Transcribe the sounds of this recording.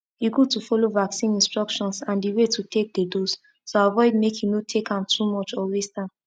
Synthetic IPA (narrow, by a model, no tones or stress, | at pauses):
iɡud̚tufɔlovaksĩnĩnstɹɔkʃɔ̃nsãndiwetʰutʰek̚dədos | soavɔɪd̚mekinotʰekãmtʰumɔt͡ʃɔwestãn